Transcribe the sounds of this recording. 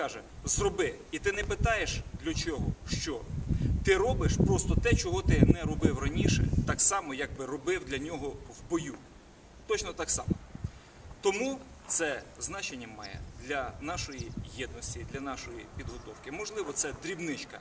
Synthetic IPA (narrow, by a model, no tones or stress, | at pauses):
kɑʒɛzrɔbɪit̪ɪnɛpɪt̪ɑjeʃd̪lʲɐt͡ʃɔɦɔʃt͡ʃɔt̪ɪɾɔbɪʃpɾɔst̪ɔt̪ɛt͡ʃɔɦɔt̪ɪmnɛɾɔbɪwrɐnʲiʃɛ̰t̪ɑksɑmɔjɐɡ̚bɪrɔbɪwd̪lʲɐnʲɔɦɔwbɔju | t̪ɔt͡ʃnɔt̪ɑksɑ̰mɔ | t̪ɔmu | t̪sɛznɑt͡ʃenʲːɐmɑ̰jɛ̰d̪lʲɐnɑʃɔjijɛd̪nɔsʲtʲid̪lʲɐnɑʃɔjipʲid̪ɦɔt̪ɔwkɪmɔʒlˠɪʋɔt̪sɛd̪ɾʲibnɪt͡ʃkɐ̰